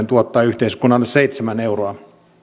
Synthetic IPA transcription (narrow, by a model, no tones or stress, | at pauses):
nt̪uot̪ːɑːyht̪eiskunːɑlːesseit̪semæne̞uroɑ